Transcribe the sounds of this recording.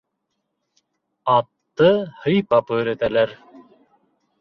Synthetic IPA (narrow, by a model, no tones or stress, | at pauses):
ɑt̪ːɤhɤjpɑpɵːɾæt̪ælæɾ